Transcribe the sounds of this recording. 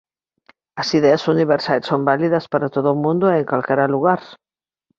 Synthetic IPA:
ɐsiðeɐsuniβ̞eɾsajsːombaliðɐspaɾat̪oðoːmũnd̪oeŋkalkeɾaluɣaɾ

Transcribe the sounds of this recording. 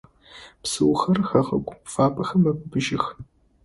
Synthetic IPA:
psɨwxɐrxɐʁɐ̰kʷʼfaːpʼɐxɐmːɐbʷʼbɨʒɪx

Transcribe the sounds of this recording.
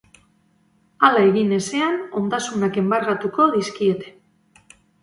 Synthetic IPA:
alae̞ɣine̞se̞ano̞nd̪asunake̞mbarat̪uko̞ðiskie̞t̪e̞̥

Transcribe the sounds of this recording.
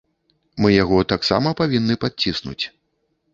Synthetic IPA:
mɨjaɣɔt̪aksa̰mɐpavʲinːɨpat͡sʲisnṵt͡sʲ

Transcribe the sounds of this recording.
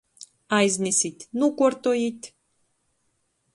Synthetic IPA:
ajznʲisit̪ʲnukort̪ojit̪ʲ

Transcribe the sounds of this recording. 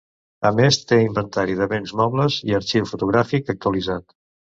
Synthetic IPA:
əmest̪eimbənt̪aɾiðəβenzmɔβləziəɾt͡ʃiwfut̪uɣɾafikək̚t̪uəlizat̪

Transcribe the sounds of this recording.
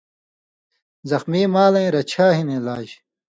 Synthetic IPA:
zɐxmiːmaːlɐ̃ĩɾɐt͡ɕʰaːɦinelaːʑ

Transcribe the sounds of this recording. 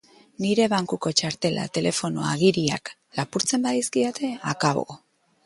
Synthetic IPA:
niɾe̞βaŋkuko̞t͡ʃaɾt̪e̞la̰t̪e̞le̞fo̞no̰a̰ɣiɾia̰k | lapuɾt͡se̞mbaðiskiot̪e̞akaβo̞̰

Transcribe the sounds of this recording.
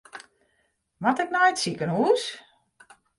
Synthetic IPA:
matɪknɔjətsikənhuːs

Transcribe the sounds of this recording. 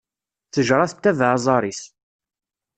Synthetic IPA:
θəʒɾˤɑθət̪ːævʕzˤɑɾˤis

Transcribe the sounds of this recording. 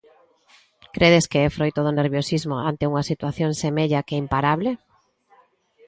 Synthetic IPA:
kɾeðeskeɛfɾojt̪oðʊneɾβjosizmoant̪euŋɐsit̪waθjoŋsemeʎakeimpaɾaβle

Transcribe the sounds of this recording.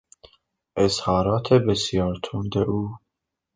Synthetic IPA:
ʔezhɒːɾɒːt̪ʰebesjɒːɾt̪ʰund̪eʔuː

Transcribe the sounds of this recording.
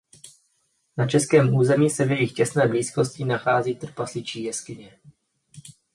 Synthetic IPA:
nat͡ʃɛskɛːmʔuːzɛmiːsɛvjɛjɪxcɛsnɛːbliːsko̞scɪnaxaːziːt̪r̩pasɪt͡ʃiːjɛskɪɲɛ

